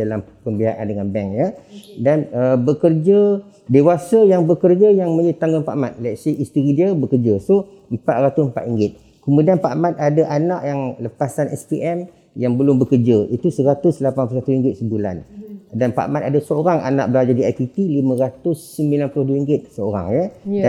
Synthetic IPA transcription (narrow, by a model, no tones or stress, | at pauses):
dalampəmbiaʔa̰ndəŋanbɛŋjədanəbəkərd͡ʒa | dewasəjaŋbəkərd͡ʒajaŋmə̃ɲət̪aŋɡʊnpa̰ʔamat̪̚lɛt̪seist̪əɾidiəbəkərd͡ʒaso | m̩pat̪̚ɾat̪ʊsmpa̰t̪iŋɡɪt̪̚ | kəmudianpaʔmat̪̚adaʔanaʔjaŋləpasanɛ̰spiʔɛm | jaŋbəlʊmbəkərd͡ʒəʔit̪usəɾat̪ʊslapanplusat̪uɾiŋɡɪt̪̚səbula̰ndanpa̰ʔa̰mat̪̚adasəoɾaŋa̰na̰ʔ̚bəlad͡ʒadiajpit̪ilimə̃ɾat̪ʊsːəmbilanplʊhduiŋɡɪt̪̚səoɾa̰ŋjəa